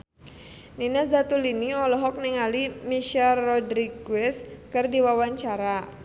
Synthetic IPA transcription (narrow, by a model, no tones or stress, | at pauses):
ninasdat̪uliniɔlɔɦɔk̚niŋalimiʃɛlːɔdɾiɡuɛskərdiwawaɲt͡ʃaɾa